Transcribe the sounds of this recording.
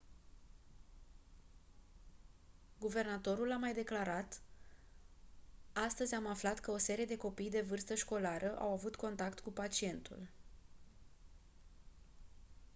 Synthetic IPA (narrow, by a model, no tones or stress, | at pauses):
ɡuve̞rnat̪o̞ɾulamajd̪e̞klaɾat̪ | ast̪əzʲamaflat̪kəo̞se̞ɾije̞d̪e̞ko̞pijd̪e̞vɨrst̪əʃko̞laɾʔəʔa̰wavut̪ko̞nt̪akt̪kupat͡ʃie̞nt̪ṵl